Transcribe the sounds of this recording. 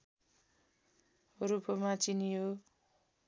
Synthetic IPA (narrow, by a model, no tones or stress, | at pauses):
ɾupʰomat͡sinijo